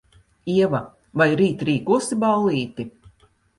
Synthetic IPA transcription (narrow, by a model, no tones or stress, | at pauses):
iɛva | vajɾiːt̪ɾiːkuɔsiballˠiːt̪i